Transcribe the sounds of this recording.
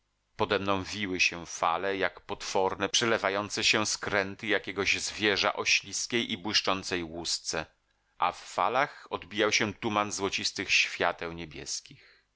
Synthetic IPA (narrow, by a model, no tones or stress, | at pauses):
pɔd̪ɛmnɔ̃w̃vʲiwɘɕɛfa̰lɛjakpɔt̪fɔɾnɛpʂɛlɛvajɔnt̪sɛɕɛskɾɛnt̪ɘjakʲɛɡɔʑzvʲjɛʐa̰ʔɔɕlʲiskʲejʔibwɘʂt͡ʂɔnt̪sɛjwust̪sɛ | ʔa̰fːa̰laxɔd̪bʲijawɕɛt̪umanzwɔt͡ɕist̪ɘxɕfʲjat̪ɛwɲebʲjɛ̰skʲix